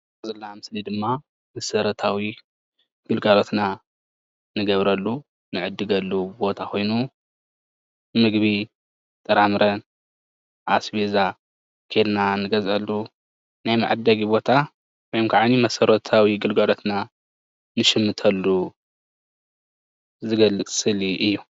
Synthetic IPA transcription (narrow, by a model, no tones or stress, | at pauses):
ɐzɐlːamɨslid̪ɨmːa | mɐsɐɾɐt̪ʰawi | ɡ̥ɨlɡalot̪na | nɨɡɐβɾɐlːu | nɨʕɨd̪ːɨɡɐlːubo̞t̪ʰakʰo̞jnu | mɨɡβi | t̪ʼɐɾamɨɾʔɐn | ʔasbeza | kʰed̪nanɨɡɐzʔɐlːu | najmaʕad̪ɐɡibo̞t̪ʰa | wojomkʰaʕanimɐsɐɾɐt̪ʰawiɡɨlɡalot̪na | nɨʃɨmːɨt̪ʰɐlːu | zɨɡɐlːɨksɨliʔɨjːu